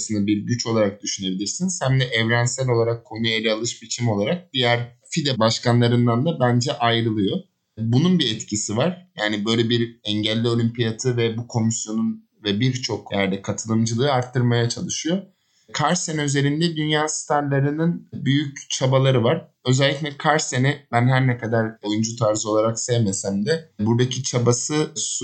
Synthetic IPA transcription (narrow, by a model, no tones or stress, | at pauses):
sɯnd̪abiɾɟyt͡ʃʰo̞lˠaɾak̚d̪yʃyne̞bilʲiɾsinsænd̪ɛʔɛvɾænsælʲo̞lˠaɾakʰːo̞nujalʲɛalˠɯʃbit͡ʃʰimo̞lˠaɾak̚d̪ijæɾ | fid̪ɛbaʃkanlˠaɾɯnd̪and̪abænd͡ʒɛʔajɾɯlˠɯjo̞ | bununbiɛt̪cʰisivaɾ̥jaːnibø̞jlʲɛbiɾɛɲɟælʲːio̞lʲympijat̪ʰɯvɛbukʰo̞misjo̞nun | vɛbiɾt͡ʃʰo̞kjæɾd̪ɛkʰat̪ʰɯlˠɯmd͡ʒɯlˠɯːaɾt̪ʰːɯɾmajat͡ʃʰalˠɯʃɯjo̞ | kʰaɾsenɛyze̞ɾind̪ɛd̪ynjaːst̪ʰaɾlʲeɾininbyjyct͡ʃʰabalˠaɾɯvaɾ̥ø̞zɛlʲːicʲlʲɛkʰaɾsenɛbænhæɾnɛkʰad̪aɾojund͡ʒut̪ʰaɾzɯo̞lˠaɾaksɛvmɛsæmd̪ɛbuɾd̪acʰit͡ʃʰabasɯs